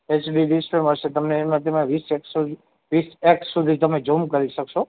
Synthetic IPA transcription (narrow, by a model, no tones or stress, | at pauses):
et͡ʃɖiɖiseməɾʃet̪əmnemãt̪emãʋiseksui | ʋiseksːud̪ʱit̪əmed͡ʒomkəɾiʃəkʃo